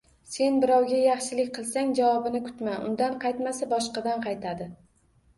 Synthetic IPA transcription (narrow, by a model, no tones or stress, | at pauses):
se̞nbɪɾɒwɡʲajɑχʃɪlɪk̚ʲqʰɨlˠsaŋd͡ʒavɒbɪnɪkʰʊ̥t̪maʔʊ̰nd̪anqʰɑjt̪masabɒʃqɑd̪anqʰɑjt̪ʰad̪ɪ